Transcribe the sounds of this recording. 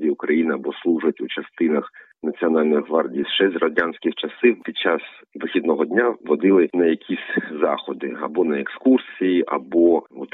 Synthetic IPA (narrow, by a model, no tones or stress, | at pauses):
dʲiʊkɾɐjinɪɐbɔslˠuʒʊɐtʲut͡ʃɐst̪ɪnɐx | nɐt͡sʲiɔnɑlʲnɪxʋɑrdʲijsʃɛsʲrɔdʲansʲkʲɪxt͡ʃɐsɪpʲid̥̪̚ʲt͡ʃɑs | ʋɪxʲid̪nɔɦɔdʲnʲaʋɔd̪ɪlˠɪnɐjɐkʲʰisʲzɑ̰xɔd̪ɪɐ̰bɔnɐekskursʲijiʔɐ̰bɔɔt̪